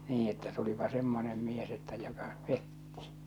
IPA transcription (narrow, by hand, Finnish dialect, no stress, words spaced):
niː etːæ tulipɑ semːonem mies etːæ jokɑ petːi